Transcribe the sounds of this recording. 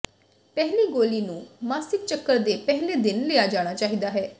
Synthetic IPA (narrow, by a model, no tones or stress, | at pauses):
pɛɦliːɡoːliːnũːmaːsɪk̚t͡ʃəkːəɾd̪eːpɛɦleːd̪ɪnleːaːd͡ʒaːɽ̃aːt͡ʃaːɦid̪aːɦɛː